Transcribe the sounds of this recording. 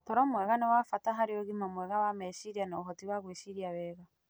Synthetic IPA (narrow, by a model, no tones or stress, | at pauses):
tɔɾɔmwɛɣanɛwafataɦaɾeɔɣimamwɛɣawamɛʃiɾianaoɦɔtiwaɣweʃiɾiawɛːɣa